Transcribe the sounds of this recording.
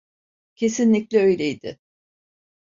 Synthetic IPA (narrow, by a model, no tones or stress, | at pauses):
cʰe̞sinlʲiclʲɛø̞jlʲejd̪ɪ̰